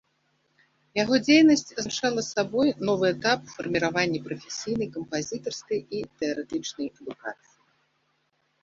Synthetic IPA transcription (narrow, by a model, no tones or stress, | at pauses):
jaɣɔd͡zʲejnɐsʲt͡sʲzt͡ʂalˠɐsabɔjnɔvɨɛt̪apufɐrmʲiɾavanʲːɛpɾɐfʲesʲijn̪ɨjkɐmpazʲit̪ɐrskɐjit̪ɛɐɾɛt̪ɨt͡ʂnɐjɛd̪uka̰t̪sɨji